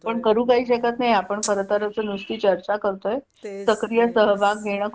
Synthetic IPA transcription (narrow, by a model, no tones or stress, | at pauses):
pəɳkəɾũːkaɦiːɕəkat̪najapəɳkəɾət̪əɾəsənust̪iːt͡ɕəɾt͡ɕakəɾt̪oe | səkɾijəsəɦbʱaɡ̚ɡʱeɽ̃ə